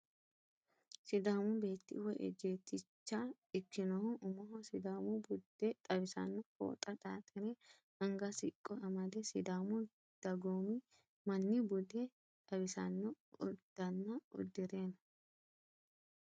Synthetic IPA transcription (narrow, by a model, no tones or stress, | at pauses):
sɪd̪aːmʊbe̞ːt̪ːɪ̰wɔʔɛ̰d͡ʒeːt̪ːɪt͡ʃːa | ɪkːɪnɔhʊʊmɐɦɔsɪd̪aːmʊbʊd̪ːɛt̪ʼɐbɪsɐ̰nːɔko̰ːt̪ʼɐt̪ʼaːt̪ʼɛɾɛ | ɐŋɡɐsɪkʼːɔɐmɐd̪ɛsɪd̪aːmʊ | d̪̥ɐɡoːmɪ | mɐnːɪbʊd̪ɛ | t̪ʼɐbɪsɐnːɔ | ʊ̰d̪̥ːɐnːɐɔ̰d̪ːɪɾe̞ːnɐ